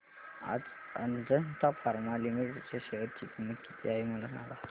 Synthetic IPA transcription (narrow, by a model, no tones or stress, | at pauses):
a̰d͡z | ə̰nd͡zənt̪afaɾmalimiʈʈt͡ɕaɕeʋəɾ̚t͡ɕik̪iməki̥t̪ʰiaɦeməlasã̰ŋɡla